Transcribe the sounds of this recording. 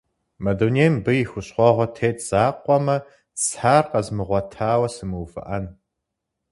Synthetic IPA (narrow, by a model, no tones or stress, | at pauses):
mɐdoneːmbɨjɪxʷʊɕχʷɔʁʷɔtʰeːtʰz̥aːqʷʼɔmɐ | t͡sħaːrqɐzmɨʁʷɔtʰaːwɐsɨmɨwfɨ̰ʔɐn